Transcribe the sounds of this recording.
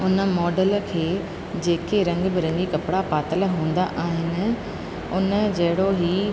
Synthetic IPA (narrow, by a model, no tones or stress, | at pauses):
ʊnə̆mɔːɖəlkʰeː | d͡ʑeːkeɾɐ̃ŋɡbɪɾɐ̃ŋɡikɐpɽapaːt̪əlɦũːn̆d̪aʔaːɦɪnɪ̆ | ʊn̆d͡ʑɐɦɪɽoɦi